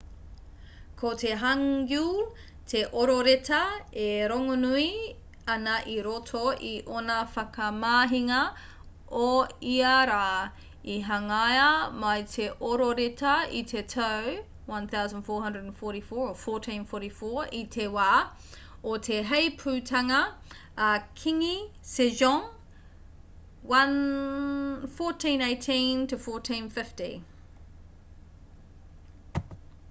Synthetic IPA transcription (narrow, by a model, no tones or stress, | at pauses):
kʰotʰeɦɐŋɡu | tʰeʔoɾoɾetʰɐeɾoŋonui | ɐnɐʔiɾotʰoiʔonɐfɐkɐmaːɦiŋɐ | oiaɾaː | iɦɐŋajɐmɐjtʰeʔoɾoɾetɐḭtʰetʰɐw | wɐ̃nθawzə̃nd̥fɔːɹɦɐ̃ndɹədə̃nfɔɹɾifɔːɹəfɔɹtʰĩnfɔɾifɔːitʰewaː | otʰeɦejpʰʉːtʰɐŋɐ | kʰiŋiseʒɔ̃ŋ | wɐn | fɔɹtʰĩːneɪtʰĩntʰəfɔɹtʰĩːnfɪftḭ